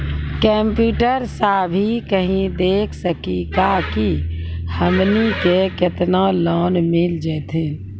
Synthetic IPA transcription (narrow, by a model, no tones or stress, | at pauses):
kə̃mpjuːʈəɾsabʱikəɦĩd̪eːkʰsəkikakihəmnikekɪt̪nalɔːnmɪld͡ʒɛːt̪ʰi